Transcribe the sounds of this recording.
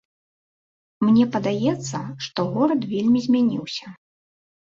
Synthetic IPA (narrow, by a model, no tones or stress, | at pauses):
mnʲɛpɐd̪ajɛt̪sːɐʂt̪ɔɣɔɾɐt̪vʲelʲmʲizʲmʲanʲiwsʲɐ̥